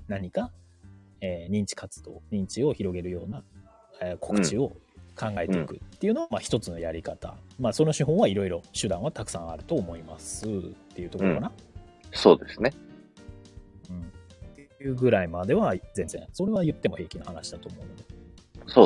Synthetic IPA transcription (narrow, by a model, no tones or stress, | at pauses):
naɲ̟ika | eːɲ̟ĩɲ̟t͡ɕi̥kʰat͡sɨ̥d̪o̞̰ːɲ̟ĩɲ̟t͡ɕio̞çiɾo̞ɡe̞ɾɯ̟jo̞ːna | ekʰo̞̥kɯ̟̥t͡ɕio̞ | kʰãŋɡaet̪eikɯ̟t̪ːe̞iɯ̟no̞amaçi̥t̪o̞t͡sɨno̞jaɾʲikat̪a̰maːso̞no̞ɕɨɦõ̞ɰ̃βaiɾo̞iɾo̞ɕɨd̪ãɰ̃βat̪akɯ̟̥sãɰ̃a̰ɾɯ̟t̪o̞ːmo̞ima̰sɨt̪ːe̞jɯ̟ːt̪okooɾokana | so̞ːd̪e̞sɨne | ɯ̟̃ɴt̪ejɯ̟ːɡɯ̟ɾaimad̪e̞βazẽ̞nzẽso̞ɾe̞βajɯ̟t̪ːemo̞he̞ːkʲinohanaɕid̪at̪oːmo̞ɯ̟nod̪eso